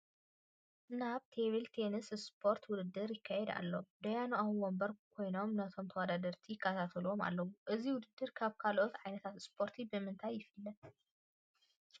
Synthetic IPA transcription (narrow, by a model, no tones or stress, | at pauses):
naβt̪ʰeβilt̪ʰenɨsspʰo̞ɾt̪wʊd̪ɨd̪ːɨɾjɪkʰːajɛd̪a̰lːod̪ɐjanʔawwombɐɾkʰo̞jno̞mnɐt̪ʰo̞mt̪ʰɐwɐd̪ad̪ɐɾt̪ʰijɪkʰːɐt̪ʰat̪ʰɐluoma̰lːɐwuʔɨziwʊd̪ɨd̪ːɨɾkʰaβkʰalʔot̪ʕajnɐt̪ʰat̪spʰo̞ɾt̪ʰibɨmɨnt̪ʰajːɪfɨlːɐ